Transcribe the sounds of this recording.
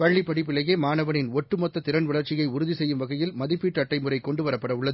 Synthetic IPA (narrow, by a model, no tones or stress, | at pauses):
pɐɭːipːɐɽɪpːɪlːɐjeːmaːnɐʋɐnɪnɔʈːɯmɔt̪ːɐt̪ːɪɾɐnʋɐɭɐɾt͡ʃɪjɐɪʊɾʊðisɛjːɯmʋɐɣɐjɪlmɐðɪpːiːʈːɐʈːɐɪmɯrɐɪkːɔɳɖɯʋɐɾɐpːɐɽɐʊɭːɐðɯ